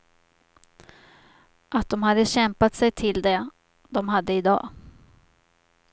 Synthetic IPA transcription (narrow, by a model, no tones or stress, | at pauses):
ʔat̪̚d̪ɔmɦad̪ːəɕɛmpat̪sɛjt̪ʰɪld̪ɛ | d̪ɔmɦad̪ːəɪd̪ɑ̰ː